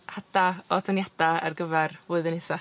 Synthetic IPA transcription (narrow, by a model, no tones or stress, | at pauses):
had̥aɔsʰanjad̥aa̰rɡəvɛrvʊːɨðənɪsa